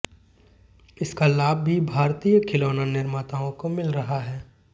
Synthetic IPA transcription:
ɪskalaːb̚ːibʱaːɾt̪ijəkʰɪloːnanɪɾmaːt̪aːõkomɪlɾɐɦaɦɛː

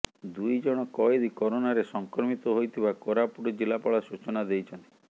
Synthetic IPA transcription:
d̪ujd͡ʒɔɽ̃ɔkɔjd̪ikɔɾonaɾesɔŋkɾɔmit̪ɔɦojt̪ʰibakɔɾapuɾɔd͡ʒilapɔɭasut͡ʃɔnad̪ejt͡ʃʰɔnt̪i̥

